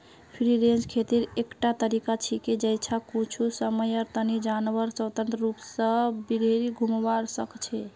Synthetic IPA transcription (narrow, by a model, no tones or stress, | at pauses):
pʰɾiɾend͡ʒkʰet̪iɾekʈat̪əɾikat͡ʃʰiked͡ʒəjt͡ʃʰakut͡ʃʰusəməjɔɾt̪ənid͡ʒanʋəɾt͡ʃəwt̪ə̃nt̪ɾəɾupsəbiɾeɾiɡʱumʋaɾsəkt͡ʃʰɛ